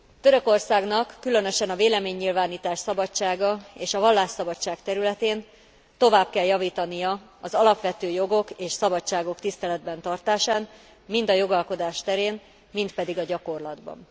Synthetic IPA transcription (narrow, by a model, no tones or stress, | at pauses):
t̪ø̞ɾø̞ko̞rsaːɡnɒkːylø̞nø̞ʃɛnɒveːlɛmeːɲːilvaːniːt̪aːʃsɒbɒt͡ʃːaːɡɒeːʃɒvɒlːaːʃsɒbɒt͡ʃːaːkt̪ɛɾylɛt̪eːn | t̪o̞vaːb̚kɛljɒviːt̪ɒnijɒɒzɒlɒpʋɛt̪øːjo̞ɡo̞keːʃsɒbɒt͡ʃaːɡokt̪ist̪ɛlɛd̪̚bɛnt̪ɒrt̪aːʃaːn | mind̪ɒjo̞ɡɒlko̞d̪aːʃt̪ɛɾeːn | mint̪pɛd̪iɡɒɟɒko̞rlɒd̪bɒ̰n